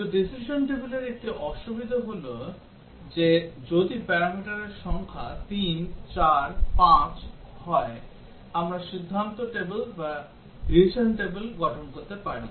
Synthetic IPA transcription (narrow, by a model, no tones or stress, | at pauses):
t̪oɖisiʃonʈebeleɾek̚ʈiʔɔʃubid̪ʱaɦolo | d͡ʑed͡ʑod̪ipɛɾamiʈaɾeɾʃɔŋkʰat̪int͡ɕaɾpãt͡ɕ | hɔe | amɾaʃid̪ʱːant̪oʈebelba | ɦiʃanʈebelɡɔʈʰonkoɾt̪epaɾḭ